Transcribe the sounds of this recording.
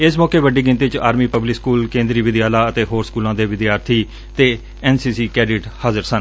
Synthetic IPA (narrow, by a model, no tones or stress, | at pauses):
ɪsmɔːkeːʋəɖiːɡɪ̃nt̪iːt͡ʃaːɾmiːpəblɪkskuːlkẽːnd̪ɾiːʋɪd̪jaːlaːət̪eːɦoːɾskuːlãːd̪eːʋɪd̪jaːɾt̪ʰiː | t̪eː | ɛːnsiːsiːkɛːɖɪʈhaːzəɾsən